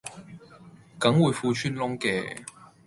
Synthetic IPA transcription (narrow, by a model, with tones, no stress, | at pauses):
kɐ˨˥ŋwuː˨˧jfuː˧t͡ʃʰyː˥nlʊ˥ŋkɛ̰ː˧